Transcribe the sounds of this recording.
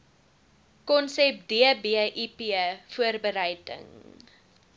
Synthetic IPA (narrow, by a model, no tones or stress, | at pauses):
kɔnsɛp̚diəbiəʔipiəfuərbəɾəjdə̰ŋ